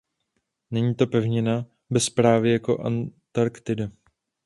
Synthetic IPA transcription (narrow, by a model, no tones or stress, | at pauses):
nɛɲiːt̪o̞pɛvɲɪna | bɛspɾaːvɪjako̞ʔa̰nt̪aɾkt̪ɪda